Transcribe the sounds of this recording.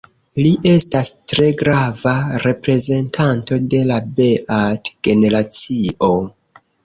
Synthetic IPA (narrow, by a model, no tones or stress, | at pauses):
liʔe̞stastɾe̞ɡɾavaɾe̞pɾe̞ze̞ntʰanto̞de̞labe̞ʔatɡ̥e̞ne̞ɾat͡siʔo̞